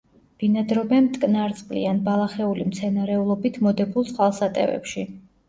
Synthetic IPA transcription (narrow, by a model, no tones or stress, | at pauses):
b̥inad̪ɾɔbɛnt̪ʼkʼnaɾt̪sʼqʼlḭanbalˠaχɛulimt̪sʰɛnaɾɛulˠɔbit̪ʰmɔd̪ɛbulˠtsʰʼχwalˠsat̪ʼɛ̰vɛ̰pʃi